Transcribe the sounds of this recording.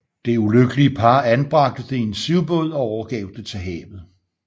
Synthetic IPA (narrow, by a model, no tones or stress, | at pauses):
d̥e̝uløɡ̥əliəpʰɑ̈ːænb̥ʁɑ̈ɡ̥̚d̥əd̥eensiʊb̥ɔ̽ð̰ˠɒ̽ɒʊɐɡ̥ɛ̰ːʊd̥et͡sʰe̝ɦɛ̰ːʋð̩ˠ